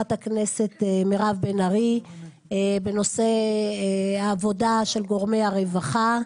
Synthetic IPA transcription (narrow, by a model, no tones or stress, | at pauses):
athakne̞se̞t̪emeʁavbenaʁi | be̞no̞se | aːvo̞daʃe̞lɡo̞ʁmejaʁevaχa